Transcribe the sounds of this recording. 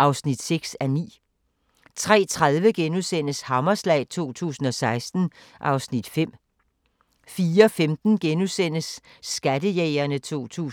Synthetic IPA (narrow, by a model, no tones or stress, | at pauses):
ʔɑ̈ʊsnid̥seɡ̥sænḭː | t͡sʰʁɛ̰ːt͡sʰʁaðˠʋəɡ̥enusen̰əshɑ̈mɐslɛ̰ɪt͡sʰo̝̰ːt͡sʰṵːsn̩ɒ̽sɑ̈ɪsd̥n̩ | ʔɑ̈ʊsnid̥fem̰ | fiːɐɒfemd̥n̩ɡ̥enusen̰əsː | ɡ̥ædəjeɪɐnət͡sʰo̝̰ːt͡sʰṵː